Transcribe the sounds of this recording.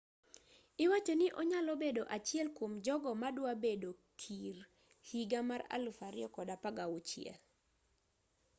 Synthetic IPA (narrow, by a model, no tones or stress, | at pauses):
ɪwat͡ʃonɪʔɔɲalɔbedoʔat͡ʃɪɛlkwomd͡ʒɔɡɔmadwabedokʰir | hiɡamaɾa̰lufaɾɪ̰ɔkɔdapaɡawut͡ʃɪɛ̰l